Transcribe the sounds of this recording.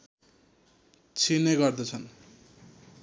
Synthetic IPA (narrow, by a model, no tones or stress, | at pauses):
t͡sʰineɡʌrd̪ʌt͡sʰʌn